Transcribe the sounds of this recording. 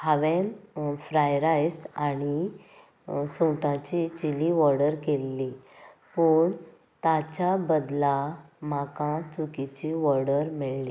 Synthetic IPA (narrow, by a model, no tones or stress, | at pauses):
haʋẽnfɾajɾajsañi | sõʈãt͡ɕit͡ɕiliʋɔɾɽəɾkelːi | pəɳ | t̪at͡ɕabəd̪la | makãt͡sukit͡ɕiʋɔɾɽəɾmeɭli